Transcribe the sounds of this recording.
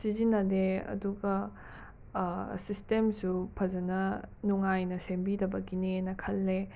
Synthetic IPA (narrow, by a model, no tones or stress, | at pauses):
sizinːɐdeɐ̰duɡɐ | sistemsupʰɐzɐnɐnuŋajnɐsembidɐbɐɡinenɐkʰɐlːe